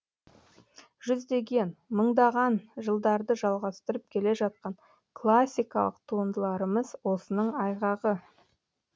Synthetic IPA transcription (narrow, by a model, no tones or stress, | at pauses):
ʒ̥ʏzd̪e̞ɡʲe̞nməɴd̪ɑʁɑnʒəlˠd̪ɑɾd̪əʒɑlˠʁɑst̪əɾəp̚kʲʰe̞le̞ʒɑt̪̚qɑɴ | kʰlˠasʲːijkɑlˠə̰qt̪ʰuənd̪əlˠɑɾəməzwo̞sənəɴɑjʁɑʁə